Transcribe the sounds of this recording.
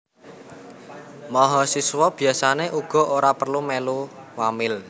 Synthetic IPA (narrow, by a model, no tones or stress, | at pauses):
mɔɦɔsiswɔb̥i̤asaneʔuɡ̥ɔ̤oɾapərlumeluwamɪl